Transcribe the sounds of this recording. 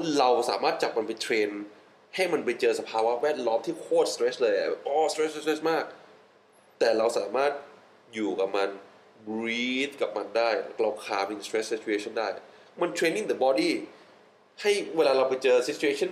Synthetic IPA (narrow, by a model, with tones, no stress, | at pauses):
ɾa˧wsa̰ː˩˦maː˥˩t̪̚t͡ɕa˨˩p̚ma˧npa˧jt̪ʰɾeː˧n | ha˥˩jma˧npa˧jt͡ɕɤː˧sa˧pʰaː˧wa˦˥wɛː˥˩t̪̚lɔː˦˥mt̪ʰiː˥˩kʰoː˥˩t̪̚st̪ɾe˦˥slɤː˧jʔa̰˨˩bɛː˨˩p̚ʔɔː˧˩st̪ɾe˦˥˧t̪ɾe˦˥smaː˥˩k̚ | t̪ɛː˨˩ɾa˧wsaː˩˦maː˥˩t̪̚ | juː˨˩ka˨˩p̚ma˧n | bɾiː˦˥t̪̚ka˨˩p̚ma˧ndaː˥˩jkla˧wkʰaː˧mi˧˩ŋst̪ɾe˦˥ssi˦˥t̪̚t͡ɕʰu˧ʔeː˧t͡ɕʰɔ˥˩ndaː˥˩jʔa˩ | ma˧nt̪ʰɾeː˧nːi˥˩ŋd̪ə˨˧bɔː˧diː˥˩ | ha˥˩jweː˧laː˧ɾa˧wpa˧jt͡ɕɤː˧si˧˦˥t̪t͡ɕʰːu˧ʔeː˧˥t͡ɕʰɔ˥˩˨n